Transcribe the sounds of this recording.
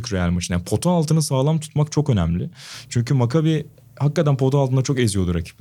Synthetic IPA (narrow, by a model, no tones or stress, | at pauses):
cɾealʲmat͡ʃnjanpʰo̞t̪ʰoalˠt̪ʰɯnɯsaːlˠamt̪ʰu̥t̪makt͡ʃʰo̞kø̞nɛmlʲɪt͡ʃʰyɲcʰymakʰabi | hakːat̪ænpʰo̞t̪ʰoalˠt̪ʰɯnd̪at͡ʃʰo̞kezijo̞lˠuɾacʰi̥